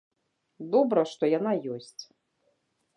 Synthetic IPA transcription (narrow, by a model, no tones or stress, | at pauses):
d̪ɔbɾɐʂt̪ɔjanajɔsʲt͡sʲ